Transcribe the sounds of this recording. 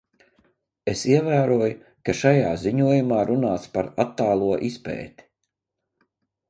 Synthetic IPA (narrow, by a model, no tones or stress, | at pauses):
esiɛvæːɾuɔjʊ | kaʃajaːziɲuɔjumaːɾunaːt̪spaɾat̪ːaːlˠuɔʔispɛ̰ːt̪i̥